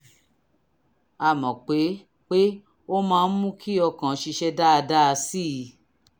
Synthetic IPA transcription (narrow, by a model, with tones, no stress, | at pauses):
a˧˨mɔ̃˨k͡pe˨˦ | k͡pe˦ | o˦mãː˧n̩˦mũ˦kʰi˦ɔ˧kã˨˦ʃi˧ʃɛ˧da˦a˧da˦˧si˦˨